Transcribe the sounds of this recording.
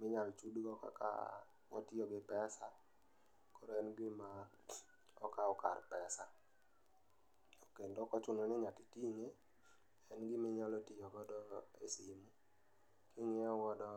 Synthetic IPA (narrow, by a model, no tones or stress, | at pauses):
mɪɲalt͡ʃudɡɔka̰ka̰ | wɔ̰tɪɔɡɪpɛsa | koɾoɛnɡɪma | ɔkaɔka̰rpɛsa | okendɔkɔt͡ʃʊnɔnɛɲakitiŋe | ɛnɡɪmɪɲalɔtɪɔɡɔdɔḛsimu | kɪŋɪɔwɔdɔ